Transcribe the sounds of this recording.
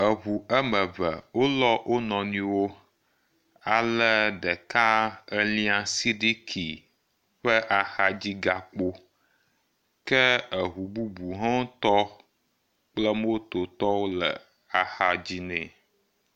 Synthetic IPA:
ə˨ɦu˨ə˦mə˨və̰˨wo˦lɔ˦wʔo˦nɔ̃˨nĩ˦wo˦ | a˨lə˦ɖɛ˨ka˦ə˦lĩ˦a˨si˦ɖi˦kʰi˨ | ɸə˦ʔa˨xa˦d͡ʑi˦ɡa˨k͡po˦ | kɛ˦ə˨ɦu˨bu˦bu˨ɦã˦o˦t̪ɔ˦ | k͡plə˦m˦o˦t̪o˨t̪ɔ˦wo˦lə̰˨ | a˨xa˨d͡ʑi˦nɛ̃˦˨

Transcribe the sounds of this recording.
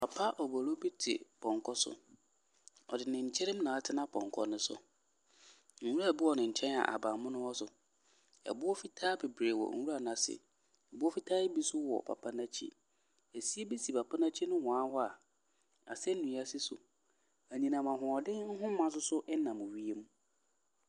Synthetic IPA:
pʰa˨pʰa˦ʔɔ˨bɔ˨lo˦bi˦tʰɪ̰˨pʰɔ̃˨ŋkʰɔ˦sʊ̰˨ | ɔ̰˨dɪ˨nɪ̃˨ɲ̩˨t͡ɕʰɛ˦ɾɪ̃˦m˦nã˨a˦tʰɪ˦nã˦pʰɔ̰̃˨ŋ˨kʰɔ̰˦nʊ̃˦sʊ̰˨ | ŋ̩˨wu˦ɾa˨bi˦ɔ˨nɪ̃˨ɲ̩˨t͡ɕʰɛ̃˦na̰˨ʔa̰˨bã˨mʊ̃˦nʊ̃˦wɔ˦sʊ˨ | ɛ̰˨bʊ˦ɔ˦fi˦tʰaː˦be˨bɾe˨wɔ̰˨ŋ̩˨wu˦ɾa˨nã˨sɪ̰˨ | a˨bʊ˦ɔ˦fi˦tʰaː˦e˦bi˦sʊ˦wɔ̰˨pʰa̰˨pʰa˦nã˦t͡ɕʰḭ˦ | e˨si˦e˦bi˦si˨pa˨pʰa˦nã˦t͡ɕʰi˦nʊ̃˦hɔ̃˨a˦hɔ˦a˨ | a̰˨sɛ˦n̩˦nũ˨˦a˦sɪ˦sʊ̰˨ | æ˨ɲĩ˨nã˨mã˨ɦʊ̃˨ɔ˨dɪ˦ŋ̩˦ɦʊ̃˦mã˦s̬ʊ˦sʊ˦ʔɛ˦nã˨mʊ̃˨ɥi˦e˦mũ˦

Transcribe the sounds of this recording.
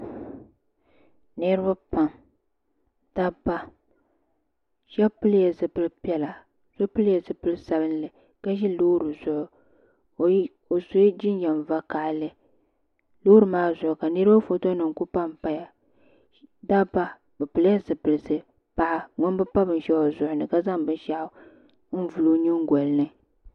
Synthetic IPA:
nɨ˦ɾba˦pa˨m | d̥a˦ba˦ | ʃɛ˦pɨ˦lja˨zɨ˨pɨ˦lɨ˦pi˦ɛ˦la˨ | z̥ʊ˦pɨ˦lja˨zɨ˨pɨ˦lɨ˦sa˨bɨ˦n˦lɨ˨ | ka˦ʒɛ˦loː˦ɾɨ˨zʊ˨ʔʊ˨ | o˨so˨˦d͡ʒɪ˦njɛ˨m˨va˦ka˨ʔlɨ˦ | loː˦ɾɨ˨maː˦zʊ˨ʔʊ˨ka˨nɨ˦ɾɨ˦ba˦fo˨to˦nɨ˨ŋ˨ku˦pa˦m˨pa˦ja˨ | da˦ba˦ | bɨ˨pɨ˨lja˦zɨ˨pɨ˨lɨ˨sɨ˦ | pa˨ʔa˦ŋɔ˦n˦bɨ˦pa˦bɨ˨n˨ʃɛ˦o˨zʊ˨ʔʊ˨nɨ˨ka˦za˦ŋbɨ˦n˦ʃa˦ʔʊ˦ | n̩˦vu˨lo˦ɲi˦ŋ˦ɡʷo˨lnɨ˦

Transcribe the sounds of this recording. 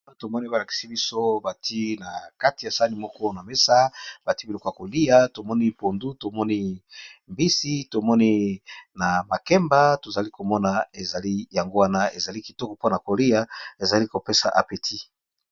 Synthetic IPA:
to˨mɔ˦ni˦ba˨la˨ki̥˨si˦bi˦so˦ba˨ti˦na˨ka˦ti˨ja˨sa˦ni˦mɔ˦kɔ˦na˨me˦sa˦b̥a˨ti˦bi˨lɔ˨kɔ˦ja˨ko˨li˦ja˦to˨mɔ˦ni˦po˨ndu˦to˨mɔ˦ni˦mbi˦si˦to˨mɔ˦ni˦na˨ma˨kɛ˦mba˦to˨za˨li˦ko˨mɔ˦na˨e˨za˨li˦ja˨ŋɡo˦wa˦na˦e˨za˨li˦ki˨tɔ˦kɔ˨po˦na˨ko˨li˦ja˦e˨za˨li˦ko˨pe˦sa˨ʔa̰˨pe˨tʰi˦

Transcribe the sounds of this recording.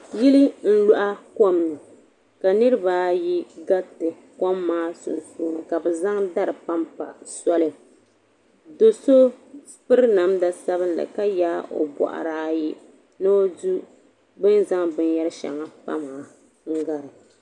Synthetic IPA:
ji˦li˦n̩˦lʊ˦ʔa˦ko˦mnɨ˨ | ka˨nɨ˦ɾɨ˦baː˦ji˦ɡa˦tɨ˨ | ko˦mːaː˦sʊ̰˨nsuː˦nɨ˨ka˨bɨ˨za˦ŋda˦ɾɨ˨pa˦mpa˨sɔ˦lɨ˨ | do˨so˦ | pɨ˦ɾna˨mda˦sa˦βɨ˦nlɨ̰˨ka˦jaː˦ʔo̰˨bɔ̰˨ʔa̰˨ɾaː˦ji˦ | nɨ˦o˦du˦ | bɨ˦nza˦ŋbɨ˦njɛ˦ɾɨ˦ʃa̰˨ŋa˨pa̰˦m˨a˨ | ŋ̩˦ɡa˨ɾɨ˨

